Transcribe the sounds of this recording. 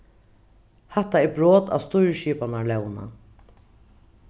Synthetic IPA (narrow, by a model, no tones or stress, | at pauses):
hɛht̪ːaɛbɹoːt̪a̰ːʋst̪ʊjɹʃiːpanalɛwna̰